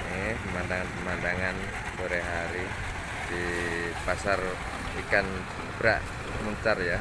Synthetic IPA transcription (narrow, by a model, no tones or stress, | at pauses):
epəmandaŋanpəmandaŋan | boɾeɦaɾi | d̥ipasar | ikan | b̥ɾaʔ | məɲt͡ʃarja